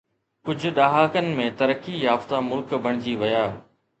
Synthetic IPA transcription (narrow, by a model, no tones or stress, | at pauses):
kʊd͡ʑʱʊ̆ɗaːɦaːkənɪ̆mẽt̪ɐɾəkijaːft̪amʊlkbɐɽ̃ɪd͡ʑiʋɐjaː